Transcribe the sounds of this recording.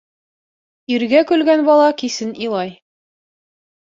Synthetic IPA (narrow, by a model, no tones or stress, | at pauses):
iɾɡækʉlɡænbɑlˠɑkisɘnilˠɑj